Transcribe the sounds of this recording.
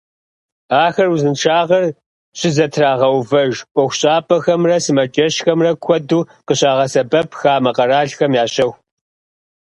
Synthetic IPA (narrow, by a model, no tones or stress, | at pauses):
aːxɐrwuzɨnʈ͡ʂʰaːʁɐr | ɕʼɪzɐtʰraːʁɐwvɐʒʔʷɔxʷʊɕʼaːpʼɐxɐmrɐsɨmɐt͡ʃʼɐɕxɐmrɐkʷʰɔduːqəɕʼaːʁɐsɐbɐpʰxaːmɐqɐraːɬxɐmjaːɕʼɐw